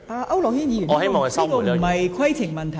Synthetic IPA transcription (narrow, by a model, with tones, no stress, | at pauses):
aː˧ʔɐ˥wlɔː˨˩k̚hi˥njiː˧jy˨˩˨he˥mɔː˨ŋɐ˨slːt̪o˨wm̩˨˩hɐ˨jkʰwɐ˥jt͡sʰɪ˨˩ŋmɐ˨˩nt̪ʰɐ˨˩